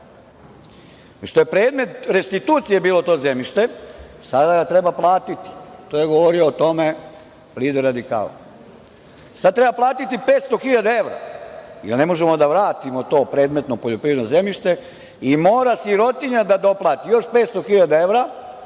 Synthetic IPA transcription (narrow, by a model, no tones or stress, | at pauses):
ʃt̪o̞jepɾeːd̪me̞t̪ɾe̞st̪it̪uːt̪sije̞biːlo̞t̪o̞ːzemʎiʃt̪e̞sad̪aɡat̪ɾe̞baplˠaːt̪it̪i̥t̪ojeɡoʋoɾio̞ːt̪o̞me̞ | liːd̪eɾad̪ika̰ːla̰ | sad̪t̪ɾe̞baplˠaːt̪it̪ipeːt̪st̪o̞xiʎad̪ae̞ʋɾa̰jḛlnemoʒemod̪aʋɾaːt̪imot̪o̞ːpɾe̞ːd̪met̪no̞poʎopɾiːʋed̪noze̞mʎiʃt̪e̞ | imoːɾasiɾo̞t̪iɲad̪ad̪o̞plˠaːt̪ijo̞ʃpet̪st̪o̞xiʎad̪ae̞ʋɾa